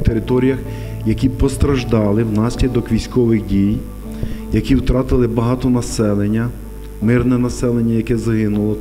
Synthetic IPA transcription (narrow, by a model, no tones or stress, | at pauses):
t̪eɾɪt̪ɔɾʲijɐx | jɐkʲipɔst̪ɾɐʒd̪ɑlˠɪwnɑsʲlʲɐd̪ɔkʋʲisʲkɔʋɪxdʲij | jɐkʲiwt̪ɾɑt̪ɪlˠɪbɐɦɑt̪ɔnɐsɛlˠenʲːɐ | mɪrnɛnɐsɛlˠenʲːɐjɐkɛzɐɦɪnʊlˠɔ